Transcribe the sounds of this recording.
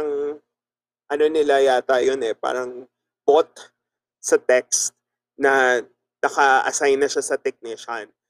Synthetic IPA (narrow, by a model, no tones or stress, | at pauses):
ɐŋ | ʔɐno̞nɪlajaːt̪ajonɛpa̰ːɾɐŋ | bot̪̚ | sɐt̪ɛk̚st̪̚ | nɐ | nɐkɐʔɐ̰sajnːɐʃasɐt̪ɛk̚nɪʃɐn